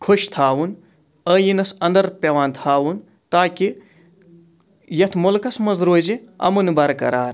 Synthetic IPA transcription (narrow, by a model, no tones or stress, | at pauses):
kʰoʃt̪ʰaːwun | əːjinɐsɐnd̪ɐɾpʲɐʋaːnt̪ʰaːwun | t̪aːki | jɐt̪ʰmolkɐsmɐzɾoːd͡ʒiɐ̰mɐnbɐɾkɐ̰ɾaːɾ